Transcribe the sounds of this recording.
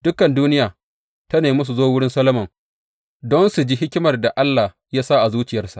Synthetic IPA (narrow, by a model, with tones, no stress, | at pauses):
d̥ʊ˦kɐ˨nduː˦nɪ˦jaː˨ | tɐ˦neː˨mʊ˦s̬u˨zoː˦wʊ˦ɽɪ˦nsɐ˦lɐ˦mɐ˨ŋ | dɔ˦nsu˨d͡ʒi˦ɦɪ˦kʲɪ˦mɐ˨rda˨ʔa˦lːa˨h | jaː˦saː˦ʔa˨zuː˦t͡ʃɪ˨jɐ˦rsa̰˨ʔ